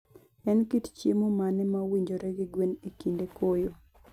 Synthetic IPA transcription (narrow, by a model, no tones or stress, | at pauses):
ɛnkitt͡ʃjemomanɛmawiɲd͡ʒoɾɛɡiɡwenekindekojo